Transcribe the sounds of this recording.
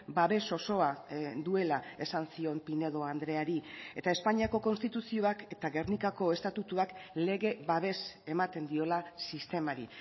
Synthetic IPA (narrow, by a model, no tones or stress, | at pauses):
baβe̞so̞so̞ad̪ue̞lae̞sansio̞mpine̞ðo̞and̪ɾe̞aɾie̞t̪ae̞spaɲiako̞ko̞nst̪it̪usio̞aket̪aɣe̞rnikako̞e̞st̪at̪ut̪uakle̞ɣe̞βaβ̞e̞se̞mat̪e̞nd̪io̞lasist̪e̞maɾi